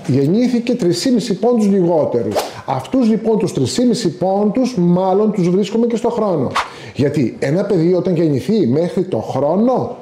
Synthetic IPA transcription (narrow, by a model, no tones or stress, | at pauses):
ʝe̞ɲiθice̞t̪ɾisimisipo̞nt̪uzʎiɣo̞t̪e̞ɾṵs | ɐft̪uzlipo̞nt̪ust̪ɾisimisipo̞nt̪uzmɐlo̞nt̪uzvɾiskome̞ce̞st̪o̞xɾo̞no̞̰ | ʝɐt̪ienɐpe̞ðiot̪ɐɲʝe̞ɲiθime̞xɾit̪o̞̰xɾo̞no̞